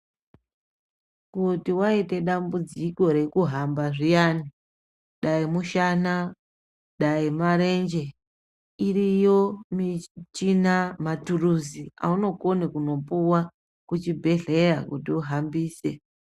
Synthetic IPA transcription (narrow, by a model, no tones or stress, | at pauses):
kutiwaite̞ɗambud͡ziko̞ɾe̞kuɦambaʐijani | ɗaimuʃana | ɗaimaɾe̞nd͡ʒe̞ | irijo̞mit͡ʃinamaturuzia̰uno̞konekuno̞puwa | kut͡ʃibʱe̞ɮe̞ɾakutiuɦambiːse̞